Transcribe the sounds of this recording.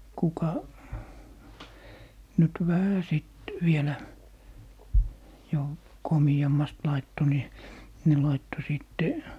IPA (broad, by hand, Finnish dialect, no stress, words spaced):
kukɑ nyt ʋæhæ siˑt ʋielæ jo komiɑmːɑst lɑitːo ni ne lɑitːo siˑtːe